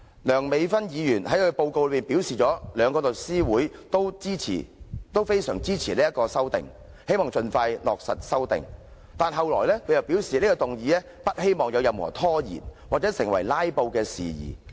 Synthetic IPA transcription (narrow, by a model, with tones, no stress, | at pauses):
lœː˨˩ŋme˨˧jfɐ˥njiː˨˧jyː˨˩nhɐ˨˥jkʰɵ˧ɥpo˧wko˧wlɵ˧piː˨˩npiː˨˥wsiː˨˩t͡ʃɔː˨˥lœː˨˧ŋkɔː˧lɵ˨t̚siː˥wuː˨˥jt̪o˥wt͡siː˥t͡sʰḭː˨˩t̪o˥wfe˥jsœː˨˩ŋt͡siː˥t͡sʰiː˨˩liː˥jɐ˥tkɔː˧sɐ˥wt̪ɪ̰˨˩ŋ | he˥jmɔː˨˩ŋt͡sɵ˧nfaː˧jlɔ̰ː˨k̚sɐ̰˨t̚sɐ˥wt̪ɪ̰˨ŋ | t̪aː˨nɦɐ˨wlɔː˨˩jlɛː˥kʰɵ˧jɐ˨wpi˨˥wsiː˨niː˥kɔː˧t̪ʊ˨ŋjiː˨˧lɛː˥ | pɐ˥t̚he˥jmɔː˨ŋjɐ˨˧wjɐ˨˧mhɔ̰ː˨˩t̪ʰɔː˥jḭː˨˩nwaː˨˩t͡sɛː˨˥sɪ˨ŋwɐ̰˨˩jlaː˥jpo˧wkɛː˧sḭː˨jḭː˨˩